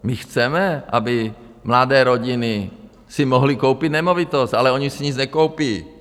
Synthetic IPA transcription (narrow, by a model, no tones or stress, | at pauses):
mɪxt͡sɛmɛʔa̰bɪ | mladɛːɾoɟɪnɪ | simoɦlikowpid̪nɛmovit̪ost̪ʔalɛoɲisiɲit͡snɛkowpiː